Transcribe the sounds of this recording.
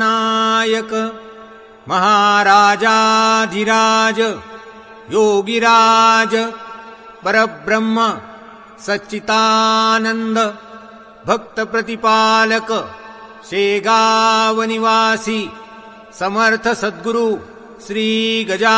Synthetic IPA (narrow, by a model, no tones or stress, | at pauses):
ajɐkɐ | mɐɦaːɾaːd͡ʒaːd̪ʱiɾaːd͡ʒɐ | joːɡiɾaːd͡ʒɐ | pɐɾɐbɾɐmːɐ | sɐʃit̪aːnɐnd̪ɐ | bʱɐk̚t̪ɐpɾɐt̪ipaːlɐkɐ | ʃeːɡaːʋɐniʋaːsi | sɐmɐɾt̪ʰɐsɐd̪̚ɡuɾu | ʃɾiːɡɐd͡ʒaː